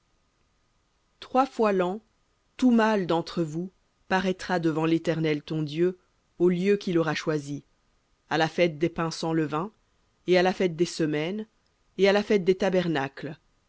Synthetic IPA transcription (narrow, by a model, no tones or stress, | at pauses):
t̪χwafwalɑ̃ | t̪umald̪ɑ̃t̪χəvu | paʁɛt̪χad̪əvɑ̃let̪ɛʁnɛlt̪ɔ̃d̪jø | oljøkʲilɔʁaʃwazi | alafɛt̪̚d̪epɛ̃sɑ̃ləvɛ̃ | ealafɛt̪̚d̪esəmɛn | ealafɛt̪̚d̪et̪abɛʁnakl